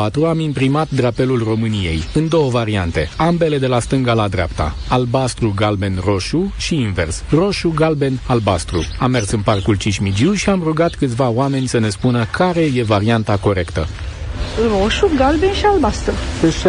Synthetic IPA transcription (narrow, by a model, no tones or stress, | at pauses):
at̪ɾuamimpɾimat̪̚d̪ɾape̞lulro̞mɨnije̞̰jɨnd̪o̞wəvaɾiant̪e̞ambe̞le̞d̪e̞last̪ɨŋɡalad̪ɾea̰pt̪a̰albast̪ɾuɡalbe̞nro̞ʃuʃiinve̞̰rsro̞ʃuɡalbe̞nalbast̪ɾuamːe̞rsɨnparkult͡ʃiʃmid͡ʒiwʃiamruɡat̪kɨt̪sʲvaoame̞nʲsəne̞spunəkʰaɾe̞je̞vaɾiant̪ako̞ɾe̞kt̪ə | roʃuɡalbenʃialbast̪ɾu